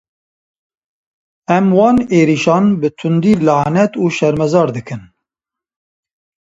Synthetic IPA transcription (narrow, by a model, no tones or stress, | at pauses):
ɛmwɑːneːɾiʃɑːnbɨt̪ʰʊnd̪iːlɑːnɛt̪uːʃɛɾmɛzɑːɾd̪ɨkʰɨn